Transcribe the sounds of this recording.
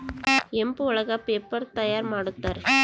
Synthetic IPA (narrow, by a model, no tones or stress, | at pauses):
ɛmbɯɔɭɐɣapeːpːɐɾt̪ɐjaːɾmaːɽɯt̪ːaːɾ